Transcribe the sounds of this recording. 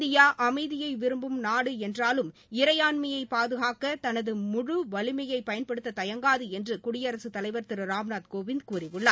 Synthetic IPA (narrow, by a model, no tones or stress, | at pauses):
d̪ɪjaːʔɐmɐɪðɪjɐɪʋɪɾɯmbɯmnaːɽɯɛndraːlɯm | ɪɾɐjaːnmɐjɐɪpaːðɯɣaːkɐt̪ɐnɐðɯmʊɻʊʋɐlɪmɐjɐɪpːɐjɐnpɐɽɯt̪ːɐt̪ɐjɐŋɡaːðɯɛndrɯkʊɽɪjɐɾɐsɯt̪ɐlɐɪʋɐɾt̪ɪɾɯɾaːmnaːt̪koːʋɪnd̪kuːrɪʋɯɭːaː